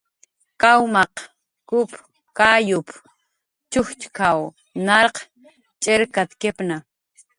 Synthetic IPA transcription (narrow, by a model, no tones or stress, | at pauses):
kawmɑq | kʊp | kajʊp | t͡ʃʊxt͡ʃkaw | naɾq | t͡ʃʼeɾkat̪kepna